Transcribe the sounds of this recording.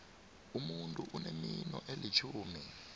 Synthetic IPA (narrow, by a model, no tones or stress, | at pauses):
umuntʼuʔuneminɔʔelit͡ʃʰuːmi